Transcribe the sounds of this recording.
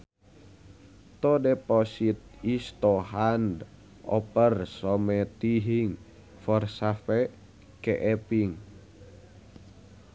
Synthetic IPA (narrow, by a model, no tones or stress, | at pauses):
t̪ɔdɛpɔsit̪̚ist̪ɔɦand | ɔ̰pərsɔmɛt̪iɦiŋ | fɔrsafɛ | kɛʔɛpiŋ